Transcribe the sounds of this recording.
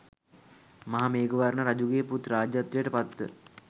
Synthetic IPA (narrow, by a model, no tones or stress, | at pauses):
maɦameːɡoʋaɾɳəɾad͡ʒuɡeːput̪ɾaːd͡ʒjat̪ːɾijəʈəpat̪ːə̰